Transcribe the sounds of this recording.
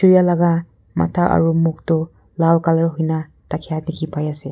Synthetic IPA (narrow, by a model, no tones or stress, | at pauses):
uɾijalaɡa | ma̰tʰaʔɐ̰ɾumuk̚tu | lalkalɐɾɦujnɐ | takʰijanikʰipʰajase